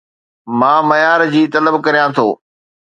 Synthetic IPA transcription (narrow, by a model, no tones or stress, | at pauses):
mãːmɐjaːɾd͡ʑiːt̪ɐləbkɐɾijãt̪ʰo̰ː